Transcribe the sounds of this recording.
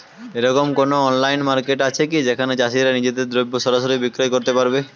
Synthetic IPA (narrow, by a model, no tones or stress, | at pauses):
eɾɔkomkonoɔnlajnmaɾkeʈat͡ɕʰekid͡ʑekʰaned͡ʑaʃiɾanid͡ʑed̪eɾd̪ɾojbʱːoʃɔɾaʃoɾibikɾojkoɾt̪epaɾbe